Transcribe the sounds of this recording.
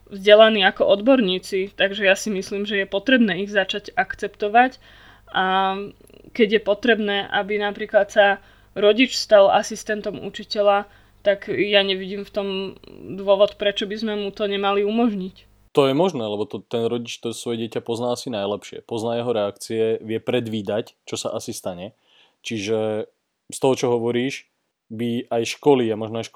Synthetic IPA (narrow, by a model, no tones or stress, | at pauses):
vzɟɛlaniːakɔʔɔd̪bɔɾɲiːt͡sit̪aɡʒɛjasimisliːmʒɛjɛpɔt̪ɾɛbnɛːiɣzat͡ʃaɟakt͡sɛpt̪ɔʋac | ʔa | kɛɟjɛpɔt̪ɾɛbnɛːʔabinapɾiːklat̪sa | ɾɔɟit͡ʃst̪ala̰sist̪ɛnt̪ɔmṵt͡ʃicɛʎa | t̪aɡjaɲɛʋiɟiːmft̪ɔmd̪ʋʊɔʋɔt̪pɾɛt͡ʃɔbizmɛmut̪ɔɲɛmaliumɔʒɲic | t̪ɔjɛmɔʒnɛːlɛbɔt̪ɔt̪ɛnɾɔɟit͡ʃtt̪ɔsʋɔjɛɟɪɛcapɔznaːasinajlɛpʃɪɛ̰pɔznaːjɛɦɔɾɛakt͡siɛʋɪɛpɾɛd̪ʋiːd̪act͡ʃɔsaʔasist̪aɲɛ | t͡ʃiʒɛ | st̪ɔɦɔt͡ʃɔɦɔʋɔɾiːʒ | biajʃkɔliːamɔʒnɔajʃk